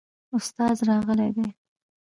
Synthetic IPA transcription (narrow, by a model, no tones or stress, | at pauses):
ʊst̪ɑzɾɑɣəled̪e